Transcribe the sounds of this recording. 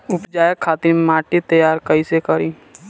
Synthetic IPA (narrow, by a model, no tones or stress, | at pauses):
ʊpd͡ʒaːjekʰːaːt̪ɪɾmaːʈit̪əjaːɾkəisekəɾiː